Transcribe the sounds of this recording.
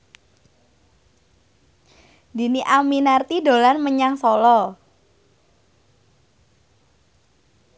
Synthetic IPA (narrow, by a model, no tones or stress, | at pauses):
di̤niʔaminart̪ido̤lanməɲaŋsɔlɔ